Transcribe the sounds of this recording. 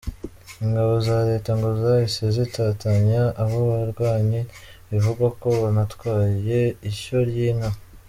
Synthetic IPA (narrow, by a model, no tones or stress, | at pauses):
iŋɡaβo̞zaɾe̞ːtaŋɡo̞zahisezitaːtaɲaʔːɦoβaɾɡwaːɲiivuɡako̞anatwaːje̞iʃoɾjiːnha